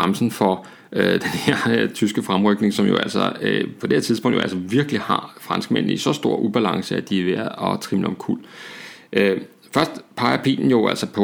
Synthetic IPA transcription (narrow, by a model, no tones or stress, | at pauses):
amsn̩fɒ | ød̥enheɐ̰t͡sʰysɡ̥əfʁamʁœɡ̥ne̝ŋsɒ̽mjo̝æl̰sɒøpʰɒ̽d̥e̝eɐt͡sʰiðˠpɔ̽ŋ̰djo̝æ̰lsɒʋiɐɡ̥əlihɑ̈fʁɑ̈nsɡ̥men̰̩ˠisɒ̽sd̥o̝ɐ̰ʔub̥ælɑ̈ŋsəæd̥iʋeɐðˠɒ̽t͡sʰʁimlɒ̽mkʰul̰̥ʔø | fɶɐsd̥pʰɑ̈ɪɐpʰḭːln̩jo̝ʔæl̰sɒpʰɒ̽